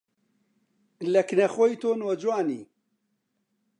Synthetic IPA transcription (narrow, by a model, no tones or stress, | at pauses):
lɛknɛxojt̪ʰoːnwɐd͡ʒwaːnḭː